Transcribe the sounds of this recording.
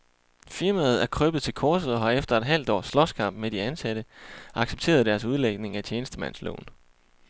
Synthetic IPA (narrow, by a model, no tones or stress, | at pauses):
fiɐmæð̞̩ˠæɐkʰʁœb̥ð̩ˠt͡sʰe̝lkʰɒːsð̩ˠɒ̽ɦɑ̈efd̥ɐe̝d̥ɦæl̰d̥ɒ̰ːslɒ̽skʰɑ̈m̰b̥med̥iænsæɾ̥əʔɑ̈ɡ̥seb̥̚t͡sʰe̝̰ːɐð̞ˠd̥æɐsuð̞ˠleɡ̥ne̝ŋæt͡ɕʰjeːnəsd̥əmæn̰slo̰ːn